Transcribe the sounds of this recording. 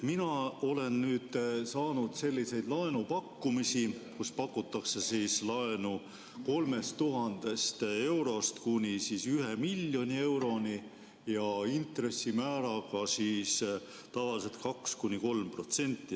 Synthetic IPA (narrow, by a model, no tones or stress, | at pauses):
minɑo̞le̞nnyːd̪̥sɑːnud̪̥se̞lʲːise̞jd̪̥lɑenupɑkːumisikuspɑkːˑut̪ːˑɑkse̞siːslɑenu | ko̞lme̞st̪t̪uɦɑnd̪̥e̞st̪e̞wɾo̞st̪kunʲisiːsyɦe̞milʲːjo̞nʲie̞wɾo̞nʲi | jɑint̪re̞sːimæːɾɑɡɑsiːs | t̪ɑvɑlise̞lt̪̚kɑkskunʲiko̞lmpro̞t̪se̞nʲt̪ːˑi